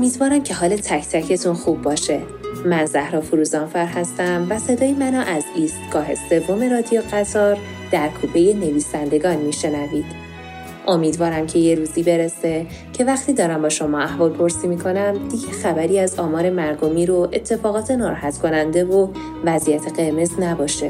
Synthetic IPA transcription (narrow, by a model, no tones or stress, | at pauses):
omiːd̪vɒːɾæmcʰe̞ɦɒːlet̪ʰæcʰt̪ʰæcʰe̞t̪ʰunxuːbːɒːʃe̞ | mænzæhɾɒːfuɾuːzɒnfæɾɦæst̪æmvæse̞d̪ɒːjemænɒʔæziːst̪ɡ̥ɒːɦese̞vːo̞me̞ɾɒːd̪ijoɣæt̪ʰɒːɾ | d̪̥æɾkʰuːpʰe̞je̞ne̞viːsænd̪e̞ɡɒːnmiːʃe̞næviːd̪̥ | ʔomiːd̪vɒːɾæmcʰe̞je̞ɾuːzibe̞ɾese̞ | cʰe̞væxt̪ʰiːd̪ɒːɾæmbɒːʃo̞mɒːæhvɒːlpʰo̞ɾsiːmiːkʰo̞næmd̪iɟexæbæɾiːæzɒːmɒːɾe̞mæɾd̪omiːɾoʔe̞t̪ʰːe̞fɒːɣɒːt̪ʰe̞nɒːɾæɦæt̪ʰkʰo̞nænd̪e̞vo | væzijæt̪ʰe̞ɣe̞ɾme̞snæbɒːʃe